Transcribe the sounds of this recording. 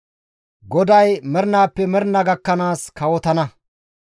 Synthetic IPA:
ɡɔd̪ɐjmɛɾnaːpːɛmɛɾnɐɡɐkːɐnaːskɐwɔt̪ɐnɐ

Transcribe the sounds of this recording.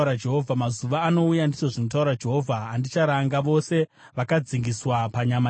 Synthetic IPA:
ɾad͡ʒe̞ɦovʱamazuʋaːno̞ujandit͡ʃoʐino̞t̬auɾad͡ʒe̞ɦo̞vʱaːndit͡ʃaɾaŋɡaʋo̞se̞ | ʋakad͡ziŋɡiswapaɲama

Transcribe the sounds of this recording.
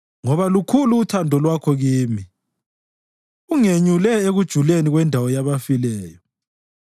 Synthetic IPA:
ŋɔβalukʰuluːtʰandʱɔlwakʰɔɣiːmi | uŋeɲulɛeɣud̥ʒ̥ʱuleniɣwɛndʱawɔjaβafilɛːjɔ

